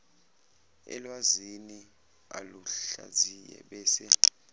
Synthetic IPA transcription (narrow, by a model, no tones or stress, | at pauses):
ɛ̰lwazini | a̰luɬa̰zijɛ̰ɓɛːsɛ